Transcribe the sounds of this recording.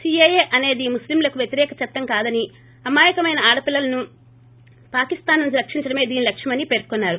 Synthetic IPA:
siejeːʔɐne̞ːd̪imuslimlɐkuʋjɐt̪iɾɛːkɐt͡ʃɐt̪ːɐŋkaːd̪ɐni | ɐmaːjɐkɐmɐjnɐaːɽɐpilːɐlɐnu | paːkist̪aːnːuɲt͡ʃiɾɐkʂiɲt͡ʃɐɽɐme̞ːd̪iːnilɐkʂjɐmɐnipe̞ːɾ̥konːaːɾu

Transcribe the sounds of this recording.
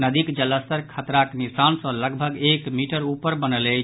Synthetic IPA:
nəd̪ikd͡ʒəlːəst̪əɾkʰət̪ɾaknisansə̃ləɡbʱəɡekmiʈəɾupəɾbənəlɛ

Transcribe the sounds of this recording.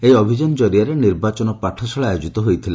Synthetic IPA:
ejɔbʱid͡ʒɔnɔd͡ʒɔɾijaɾeniɾbat͡ʃɔnɔpaʈʰɔsɔɭajod͡ʒit̪ɔɦojt̪ʰile

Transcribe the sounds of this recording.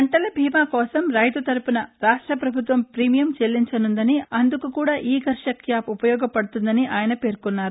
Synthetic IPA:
ɐɳʈɐlɐbʱiːmaːkɔːsɐmɾɐjt̪ut̪ɐɾpunɐɾaːʂʈɾɐpɾɐbʱut̪ʋɐmpɾiːmijɐmt͡ʃelːiɲt͡ʃɐnund̪ɐniɐnd̪ukukuːɽaːʔiːɡɐɾʂɐkjaːpupɐjɔːɡɐpɐɽut̪und̪ɐniʔaːjɐnɐpe̞ːɾkunːaːɾu

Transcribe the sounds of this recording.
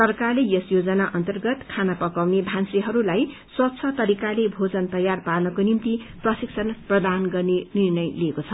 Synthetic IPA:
sʌrkarlejʌsjod͡zʌnaʔʌnt̪ʌrɡʌt̪kʰanapʌkawnebʱansiɦʌɾulaj | swʌt̪t͡sʰʌt̪ʌɾikalebʱod͡zʌnt̪ʌjarparnʌkonimt̪i | prʌsiksʰʌnprʌd̪anɡʌrnenirnʌjliekot͡sʰʌ

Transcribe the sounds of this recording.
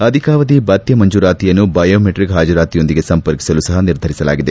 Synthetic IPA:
ɐd̪ʱikaːʋɐd̪ibɐt̪jɐmɐɲd͡ʒuːɾaːt̪ijɐnːubɐjoːmeʈɾikɦaːd͡ʒɐɾaːt̪ijo̞nd̪iɡe̞sɐmpɐɾki̥sɐlusɐɦɐniɾd̪ʱɐɾisɐla̰ːɡid̪e̞

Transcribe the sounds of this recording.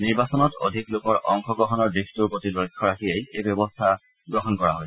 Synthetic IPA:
niɹbasɔnɔto̰dʱiklokɔɹʔɔ̰ŋxɔɡɔɦɔnɔɹdɹixtuɹpotilojkʰːɔɹakʰiejejbjɔbɔstʰa | ɡɹɔɦɔnkɔɹaɦɔj

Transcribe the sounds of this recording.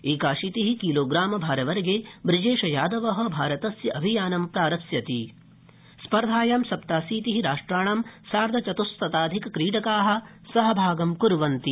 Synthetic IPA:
iːkaːʃiːt̪iɦikiːloːɡɾaːmɐbʱaːɾɐʋɐɾɡeːbɾid͡ʒeːʃɐjaːd̪ɐʋɐɦɐ̆bʱaːɾɐt̪ɐsjɐʔɐbʱijaːnɐmpɾaːɾɐsjɐt̪ḭ | spɐɾd̪ʱaːjaːmsɐpt̪aːsiːt̪iɦiɾaːʂʈɾaːɳaːmsaːɾd̪ʱɐt͡ʃɐt̪ust̪ɐt̪aːd̪ʱikɐkɾiːʈɐkaːɦɐ̆ | sɐɦɐbʱaːɡɐmkuɾʋɐnt̪i

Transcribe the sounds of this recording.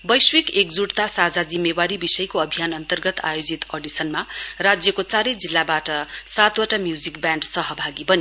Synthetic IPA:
bʌjswikekd͡zuɽt̪asad͡zad͡zimːewaɾibisʌjkoʌbʱijanʌnt̪ʌrɡʌt̪a̰jod͡zit̪ʌɖisʌnmarad͡zjʌkot͡saɾʌjd͡zilːabaʈʌsat̪waʈamjud͡zikbjaɳɖsʌɦʌbʱaɡibʌni

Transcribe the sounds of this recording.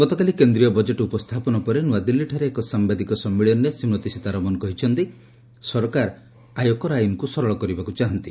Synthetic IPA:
ɡ̥ɔt̪ɔkalikend̪ɾijɔbɔd͡ʒeʈupɔst̪ʰapɔnɔpɔɾenuwad̪ilːiʈʰaɾeːkɔsambad̪ikɔsɔmːiɭɔnːesimɔt̪isit̪aɾɔmɔnɔkɔɦit͡ʃʰɔnt̪i | sɔɾkaɾ | ajokɔɾajunɔkusɔɾɔɭɔkɔɾibakut͡ʃaɦɔnt̪i

